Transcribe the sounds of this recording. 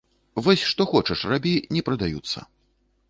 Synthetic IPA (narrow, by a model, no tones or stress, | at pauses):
vɔsʲʂt̪ɔxɔt͡ʂɐʂrabʲit͡sʲnʲɛpɾɐd̪ajut̪sːɐ̰